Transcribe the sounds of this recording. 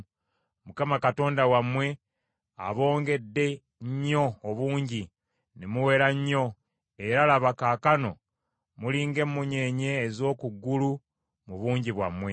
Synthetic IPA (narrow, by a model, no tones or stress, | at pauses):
mukamakato̞ːndawamwe̞ | a̰βo̞ːŋɡe̞dːe̞ | ɲɲːo̞ːβuːɲɟi | nemuwe̞ːɾaɲːo̞ | eɾalaβakaːkano̞̰ | muliːŋɡe̞mːuɲe̞ɲe̞ːzo̞ːkuɡːulu | muβuːɲɟiβwa̰mwe̞